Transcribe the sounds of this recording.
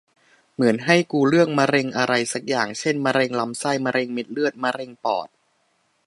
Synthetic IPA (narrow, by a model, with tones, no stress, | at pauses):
mɯ˩˦ənɦa˥˩jkuː˧ɾɯ˥˩əŋ̚ma˧ɾe˧ŋʔa˧ɾa˧jsa˨˩k̚jaː˨˩ŋt͡ɕʰe˥˩nma˧ɾe˧ŋla˦˧˥msa˥˩jma˧ɾe˧ŋme˦˥t̪̚lɯ˥˩ət̪̚ma˧ɾe˧ŋpɔ̰ː˨˩t̪̚